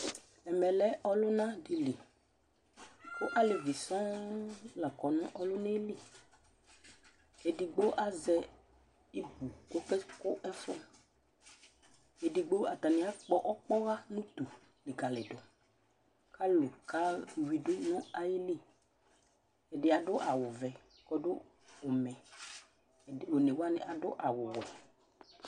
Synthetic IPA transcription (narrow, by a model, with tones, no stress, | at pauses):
ɛ˨mɛ˨lɛ˦ʔɔ˦lʊ˦nã˦dɪ˨li˨ | kʊ˦ʔa˦lɪ˨vi˨sɔ̃˦la˨kɔ˨nʊ̃˦ʔɔ˦lʊ˦ne˦li˦˨ | e˨di˨ɡ͡bo˦ʔa˦zɛ˦ | i˦ɡu˨ko˦kɛ˦kʊ˦ʔɛ˦fɔ˦ | ɛ˨dɪ˨ɡ͡bo˦a˨t̪a˨nɪ̃˨˦a˦k͡pɔ˦ʔɔ˦k͡pɔ˦ɣa˦nũ˦t̪u˨ | lɪ˨ka˨lɪ˨dʊ˨ | ka˦lʊ˨ka˦˨wi˨dʊ˦nɔ̃˦a˨jɪ˦li˦ | ɛ˨dɪ˨˦a˨dʊ˦ʔa˨wʊ˨vɛ˨ | kɔ˦dʊ˦ | ʊ˨mɛ̃˨ | o˨ne˨wa˦nɪ̰˦ʔa˨dʊ˦ʔa˨wʊ˨wɔ˨